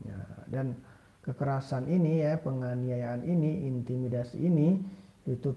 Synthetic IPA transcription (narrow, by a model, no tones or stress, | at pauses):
a̰dan | kəkəɾasaninijapəŋaniajaːniniint̪imidasḭʔini | it̪u